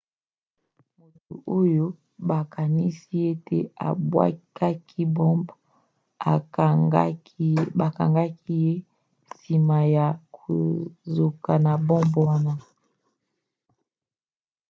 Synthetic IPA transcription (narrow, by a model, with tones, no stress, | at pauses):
mo˨to̰˨ʔo˦jo˦ | ba˨ka˨ni˦si˦e˦tḛ˦a̰˨bwa̰˦ka˦kʰi˦bɔ˦mb | a˨˦ | ba˨ka̰˨ŋɡa˦ki˦je˦ | si˨ma˨ja˨ko̰˨zo˨ka˨na˨bɔ˦mba˦na˨